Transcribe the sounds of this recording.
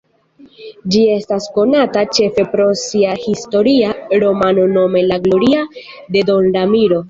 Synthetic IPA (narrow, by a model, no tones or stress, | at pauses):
d͡ʒie̞stasko̞natat͡ʃe̞fe̞pɾo̞siahisto̞ɾiaɾo̞mano̞no̞me̞laɡlo̞ɾia | d̪e̞do̞nɾamiɾo̞